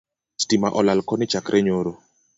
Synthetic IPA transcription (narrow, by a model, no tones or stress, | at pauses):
stimaʔɔlalkɔnɪt͡ʃakɾʔɛɲoɾo